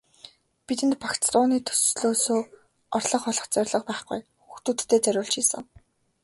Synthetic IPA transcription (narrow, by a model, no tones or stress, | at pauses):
pit̪ɘ̆nt̪̚pakt͡st̪ʊːniːt̪ʰɵ̥ssɮoːsoː | ɔrɮɞ̆χɔɮɞ̆χt͡sœrʲɮə̆q̚pæːχɡṵjxuxt̪uːt̪ːʰeːt͡sæɾʲʊːɬt͡ɕiːsə̆ŋ